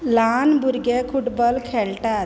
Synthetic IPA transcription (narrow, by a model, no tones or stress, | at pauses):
lanbuɾɡekʰuʈbəlkʰeɭʈat̪̚